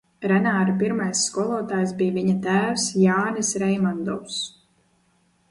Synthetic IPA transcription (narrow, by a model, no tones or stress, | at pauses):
ɾɛnaːɾap̬iɾmajsːkɔɔlˠɔɔt̪aːjs̬bijviɲat̪æːwsjaːnɨsɾɛjmand̪ɔws